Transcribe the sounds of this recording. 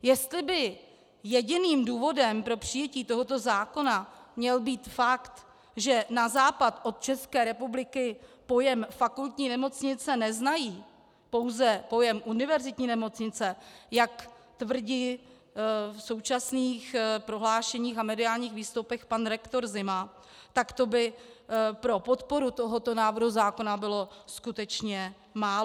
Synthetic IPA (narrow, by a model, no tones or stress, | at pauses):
jɛst̪lɪbɪ | jɛɟɪniːmduːvo̞dɛmpɾo̞pr̝̥ɪjɛciːt̪o̞ɦo̞t̪o̞zaːko̞namɲɛlbiːt̪fakt̪ | ʒɛnazaːpat̪ʔo̞t̪̚t͡ʃɛskɛːɾɛpublɪkɪpo̞jɛmfakult̪ɲiːnɛmo̞t͡sɲɪt͡sɛnɛznajiː | po̞wzɛpo̞jɛmʔunɪvɛɾzɪt̪ɲiːnɛmo̞t͡sɲɪt͡sɛjak | t̪vr̩ɟiː | fso̞wt͡ʃasniːxpɾoɦlaːʃɛɲiːxamɛdɪaːlɲiːxviːst̪owpɛxpanɾɛkt̪o̞ɾzɪma | t̪akt̪o̞bɪ | pɾo̞po̞t̪po̞ɾut̪o̞ɦot̪o̞naːvr̩ɦuzaːko̞nabɪlo̞skut̪ɛt͡ʃɲɛ | maːl